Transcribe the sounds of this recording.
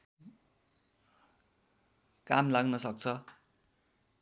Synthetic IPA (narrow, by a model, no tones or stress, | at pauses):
kamlaɡnʌsʌk̚t͡sʰʌ